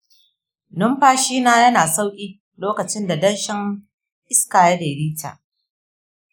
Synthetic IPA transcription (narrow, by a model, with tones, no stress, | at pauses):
nʊ˦mɸaː˦ʃiː˦naː˦jɐ˦naː˨sa˦wkʲʼiː˦ | loː˦kɐ˨t͡ʃɪ˦nda˨dɐ˦nʃɪ˦ŋ | ʔɪ˦skaː˨ja˦deː˨ɾiː˦ta̰ː˨ʔ